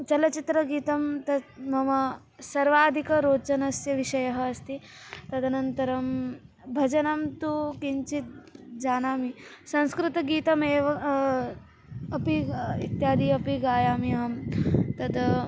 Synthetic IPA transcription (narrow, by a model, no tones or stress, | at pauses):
t͡ʃɐlɐt͡ʃit̪ɾɐɡiːt̪ɐmt̪ɐmɐmɐ | sɐɾʋaːd̪ʱikɐɾoːt͡ʃɐnɐsjɐʋiʃɐjɐɦɐːst̪it̪ɐd̪ʱɐnɐnt̪ɐɾɐm | bʱɐd͡ʒɐnɐmt̪ukiɲt͡ʃit̪̚d͡ʒaːnaːmisɐ̃ñskɾɪt̪ɐɡiːt̪ɐmeːʋɐ | ɐpiḭt̪jaːd̪iɐpiɡaːjaːmijɐɦɐmt̪ɐd̪